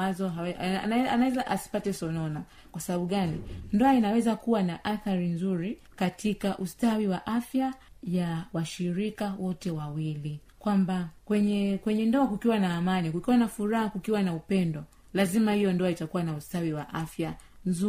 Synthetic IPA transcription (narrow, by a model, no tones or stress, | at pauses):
azɔawɛ̰aɛanawɛzaʔasi̥patɛsɔnɔna | kwasaɓaɓuɠanindɔainawɛzakuwanaʔaθaɾinzuɾi | katikaʔustawiwaʔafjajawaʃiɾikawɔtɛwawili | kwambakwɛɲɛkwɛɲɛndɔakukiwanaːmanikukiwanafuɾahakukiwanaupɛndɔ | lazimahijɔndɔaitakuwanaustawiwaʔafjanzu